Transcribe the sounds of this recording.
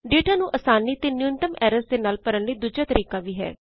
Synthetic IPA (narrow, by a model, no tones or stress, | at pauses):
ɖeːʈaːnũːʔəsaːniːt̪eːnjʊnt̪əmʔɛːɾəsd̪eːnaːlpəɾənliːd̪ud͡ʒaːt̪əɾiːkãːʋiːɦɛ̰ː